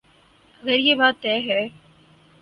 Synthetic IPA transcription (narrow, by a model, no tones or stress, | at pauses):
ɣɐɾjeːbaːt̪ːɛːɦɛː